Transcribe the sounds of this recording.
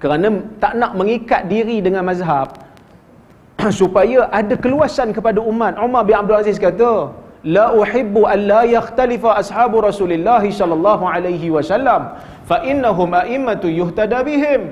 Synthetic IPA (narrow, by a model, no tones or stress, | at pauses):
kəɾanãt̪aʔnaʔmə̃ŋikat̪̚diɾidəŋãnmazɦab̚ | supajaʔadakəluasankəpadaʔumat̪̚ʕumarbɪnabdulazɪskat̪alaʔuħɪbːuʔanlajaxt̪alifaʔasħaːbuɾɑsulɪlːaɦisɔlalːɑɦuʕalajɦiwasalːam | faʔɪnːaɦʊmʔaʔɪmːat̪jʊht̪adabiɦɪm